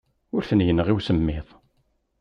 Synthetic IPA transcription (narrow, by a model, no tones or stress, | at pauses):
ʊɾθənjənʁiwsəmːɪðˤ